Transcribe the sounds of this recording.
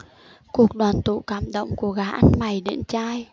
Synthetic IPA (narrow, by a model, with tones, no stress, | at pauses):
ku˨˩ək̚ɗwaː˨˩nt̪ṵ˧˨kaː˧˩mɗə̰˧˨wŋ͡mku˧˩əɣaː˨˦ʔa˧nma˨˩jɗḭ˧˨ənt͡ɕaː˧j